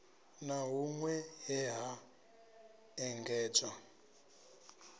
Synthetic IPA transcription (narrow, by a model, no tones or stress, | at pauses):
naɦuŋwɛɦɛɦa | ɛŋɡɛːd͡za